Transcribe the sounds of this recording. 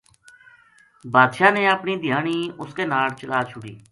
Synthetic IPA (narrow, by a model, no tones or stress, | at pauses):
baːd̪ʃaːneːəpɳiːd̪ʱɪjaːɳiːʊskeːnaːlt͡ʃəlaːt͡ʃʰʊɽḭː